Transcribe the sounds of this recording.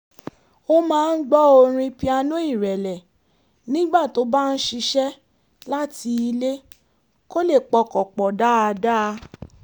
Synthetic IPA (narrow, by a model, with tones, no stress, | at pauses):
o˦mãː˦˧n̩˦ɡ͡bɔ˦o˧ɾ̃ĩ˧pi˦a˧nũ˦i˦˨ɾɛ˨lɛ˨ | nĩ˦ɡ͡ba˦˨to˦ba˦n̩˦ʃi˧ʃɛ˦ | la˦ti˧i˧le˦ | ko˦le˦˨k͡pɔ˧kɔ˨k͡pɔ˨da˦a˧da˦˧